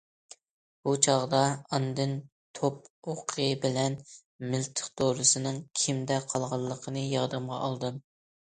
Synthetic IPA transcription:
b̥ut͡ʃʰɑʁd̪ɑɑnd̪ɨn | t̪ʰop̚oqʰəjɨbɪlɛn | mɪlt̪ʰə̥χt̪oɾɨsɨnɨŋkʲʰimd̪ɛqʰɑlˠʁɑlˠːəqʰənɨjɑɾd̪ɨmʁɑ̰ʔɑlˠd̪ɨm

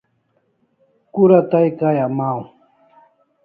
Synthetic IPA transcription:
kʊɾat̪ajkajamaw

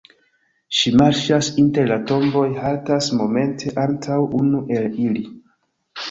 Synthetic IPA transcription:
ʃimaɾʃasinte̞ɾlato̞mbo̞jhaltasmo̞me̞ntʰe̞ʔantʰawunuʔe̞lili

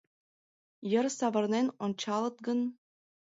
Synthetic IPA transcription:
jə̆rsɑʋɤ̆rnʲenonʲt͡ɕɑlˠɤ̆t̪̚ɡɤ̆n

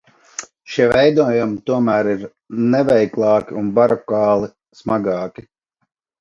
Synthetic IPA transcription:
ʃiɛvɛjd̪uɔjumit̪uɔmæːɾiɾ | nɛvɛjklˠɑːkʲḭunbaɾɔkɑːlˠi | smaɡɑːkʲi

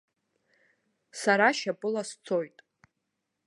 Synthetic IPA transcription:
saɾaʃapʼɨlast͡sʰo̞jtʼ

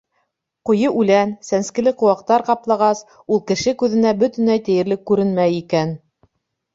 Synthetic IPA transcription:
qŏjɤʔʉlænsænskɘ̆lɘqŏwɑq̚t̪ɑɾqɑplˠɑʁɑs | ulˠkɘ̆ʃɘkʉðɘ̆næbɵt̪ɘ̆næjt̪ɘ̆jɘ̆ɾlɘkːʉɾɘnmæjikæn

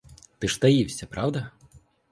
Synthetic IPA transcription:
t̪ɨʂt̪ajiwsʲɐpɾʔawd̪ɐ

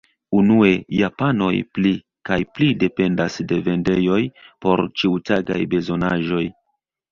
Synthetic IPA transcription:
unue̞japano̞̰jpli | kajplide̞pe̞ndasde̞ve̞nde̞jo̞jpo̞ɾt͡ʃiutaɡa̰jbe̞zo̞naʒo̞j

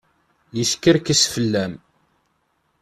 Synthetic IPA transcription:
jiskːəɾkəsfəlːæm

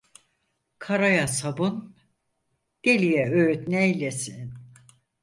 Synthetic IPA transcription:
kʰaɾajasabun | d̪̥elʲijɛøyt̪nɛilʲesin

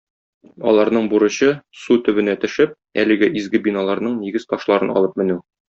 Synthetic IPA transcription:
ɒ̰lˠɑɾnɤɴbuɾɤ̆ɕɤsut̪ɵ̆βɘ̆næt̪ɘ̆ʃɘp̚ | ælɘ̆ɡæʔizɡɘbinɑlˠɑɾnɤɴniɡɘz̥t̪ɒʃlˠɑɾɤnɒ̰lˠɤp̚mɘ̆nʉ

